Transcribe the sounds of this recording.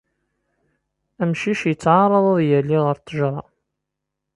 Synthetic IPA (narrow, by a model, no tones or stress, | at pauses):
æmʃiʃjət͡sːʕaɾˤːəðˤəðˤjəlːiʁəɾt̪ːəʒɾˤɑ